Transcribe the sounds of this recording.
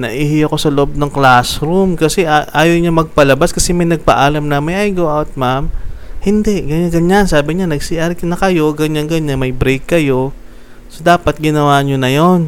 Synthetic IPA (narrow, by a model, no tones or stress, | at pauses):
nɐ̰ʔiːɦɪɐko̞sɐloʔob̚nɐŋklasɾumkɐsɛʔaʔaːjowɲamɐɡ̚pɐlɐbaskɐsɛmɐjnɐɡ̚pɐ̰ʔaːlɐmnɐmɐjʔajɡoʔawt̪̚mamhɪnd̪ɛʔɡɐɲanɡɐɲansaːbɪɲanɐɡsiʔɐɾkɐnɐkɐjo̞ɡɐɲanɡɐɲanmɐjbɾɛjkːɐjo̞ | sod̪aːpɐt̪̚ɡɪnɐwaːɲonɐjon